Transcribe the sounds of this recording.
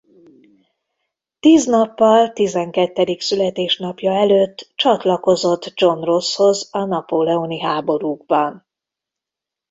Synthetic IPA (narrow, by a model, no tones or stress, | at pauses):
t̪iːznɒpːɒlt̪izɛŋkɛt̪ːɛd̪iksylɛt̪eːʃnɒpjɒɛløːt̪ːt͡ʃɒt̪lɒko̞zo̞t̪ːd͡ʒo̞nrosho̞zɒnɒpoːlɛoniɦaːbo̞ɾuːɡbɒn